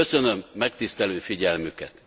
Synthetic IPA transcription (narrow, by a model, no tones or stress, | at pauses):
øsø̞nø̞mːɛkt̪ist̪ɛløːfiɟɛlmykɛ̰t̪